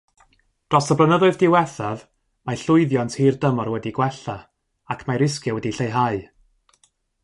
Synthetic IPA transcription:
d̥rɔsəblˠənəðʊɨðdɪwɛθað | maɬʊɨðjɔntʰhiːrdəmɔrwɛdiɡwɛɬa | akʰmaɾɪs̬kjawɛdiɬejɦaɨ

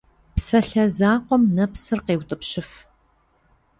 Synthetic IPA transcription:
psɐɬɐzaːqʷɔmnɐpsɨrqeːwtʼɨpɕɪf

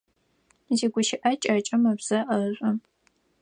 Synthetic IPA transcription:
ziɡʷʊʃɪʔɐt͡ʃʼɐt͡ʃʼɐmɐbz̥ɐʔɐɕʷʼʊ

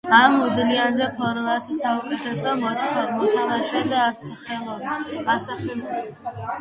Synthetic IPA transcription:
amud̪zlianzɛpʰɔɾlˠasisaukʼɛt̪ʰɛsɔmɔt̪sʰʼnɔd̪mɔt̪ʰamaʃɛd̪asaχɛlˠɔasaχɛ

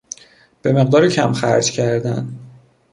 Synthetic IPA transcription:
b̥e̞me̞ɣd̪ɒːɾicʰæmxæ̰ɾd͡ʒcʰæɾd̪æ̰n

